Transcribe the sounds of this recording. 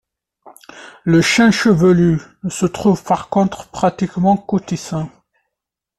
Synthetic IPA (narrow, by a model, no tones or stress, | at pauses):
ləʃɛ̃ʃəvəlyəsət̪χuvpaʁkɔ̃t̪χpχat̪ikmɑ̃kot̪isɛ̃